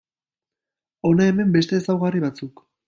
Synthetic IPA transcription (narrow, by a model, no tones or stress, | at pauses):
o̞nae̞me̞mbe̞st̪e̞ːsawɣariβat͡suk